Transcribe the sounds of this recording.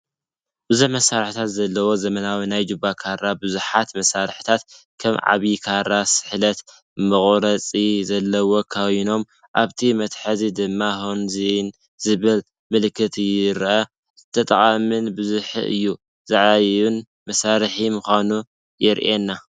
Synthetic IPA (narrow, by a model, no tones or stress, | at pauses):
b̥ɨzuħmɐsːaɾħt̪ʰat̪zɐlːɐwo̞zɐmɐnawinajd͡ʒɨbakʰaɾabɨzuħat̪mɐsaɾħɨ̥t̪ʰat̪ | kʰɐmʕa̰βikʰaɾasɨ̥ħlɐt̪ | mɨχʼɾɐt͡sʼizɐlːɐwo̞kʰawino̞m | ʔaβt̪ʰimɐt̪ħazid̪ɨmːahonzin | zɨβɨl | mɨlkʰːɨt̪ʰɨjɪɾʔɐ | t̪ʰːɐt̪ʼɐχʼamɨnbɨzuħḭʔɨ̰jːu | zaʕajun | mɐsaɾħimuxʷanu | jɪɾʔenːa